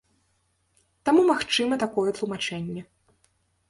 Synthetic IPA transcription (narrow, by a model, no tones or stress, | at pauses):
t̪amumaxt͡ʂɨmɐt̪akɔjɛt̪lˠumat͡ʂɛnʲːɛ